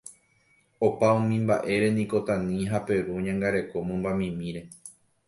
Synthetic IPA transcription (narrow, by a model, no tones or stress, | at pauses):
o̞paõmĩmbaʔe̞ɾe̞nĩko̞t̪ãnĩɦape̞ɾuɲãŋɡaɾe̞ko̞mõmbamĩmĩɾe̞